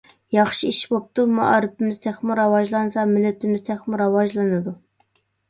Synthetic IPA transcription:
jɑχʃiiʃbop̚t̪umɑ̰ʔɑ̰ɾɪpʰɪmɪzt̪ʰæχmɪɾɑwɑʒlˠɑnsɑmɪlːɪt̪ʰɪmɪzt̪ʰɛχmɪɾɑwɑʒlˠɨnɨd̪u

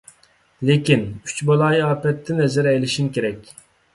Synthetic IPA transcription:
lɪkʲinyt͡ʃbɑlˠɑjɑːpɛt̪ʰːɪnɛzɛɾɛjlɪʃimkʲʰeɾɛkʲ

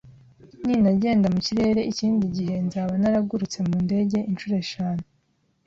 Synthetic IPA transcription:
niːnaɟe̞ːndamuciɾe̞ːɾe̞ʔiciːndiɟihe̞nzaːβanaɾaɡuɾut͡se̞muːnde̞ɟe̞ʔint͡ʃuɾe̞ʃaːne

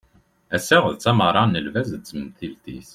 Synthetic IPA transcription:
æsːæʁəðt͡sːæməɾˤɑnəlvæzt͡sːəmθilt̪ḭs

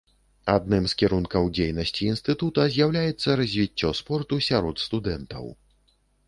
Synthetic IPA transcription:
ad̪̚nɨmskʲiɾunkɐwd͡zʲejnɐsʲt͡sʲiːnst̪ɨt̪ut̪ɐzʲjawlʲajɛt̪sːɐɾɐzʲvʲit͡sʲːɔspɔrt̪usʲaɾɔt̪st̪ud̪ɛnt̪ɐ̰w

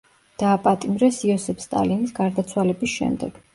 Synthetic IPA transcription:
d̪̥aːpʼat̪ʼimɾɛsiɔsɛpʰst̪ʼa̰linisɡaɾd̪at̪sʰwalɛbisʃɛ̰md̪ɛ̰ɡ̥

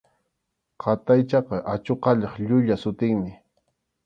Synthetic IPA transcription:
qʰɑt̪ajt͡ʃɑqɑʔat͡ʃoqɑʎɑχʎʊʎasʊt̪ɪŋmɪ

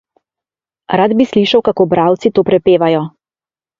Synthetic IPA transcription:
ɾad̪bisliʃawkakoːbɾaːwt̪sit̪oːpɾɛpeːʋajɔ

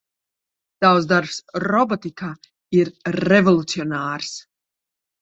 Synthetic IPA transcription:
d̪̥awzd̪aɾpsɾɔbɔt̪ikaː | iɾːɛvɔlˠut̪siɔnaːɾs

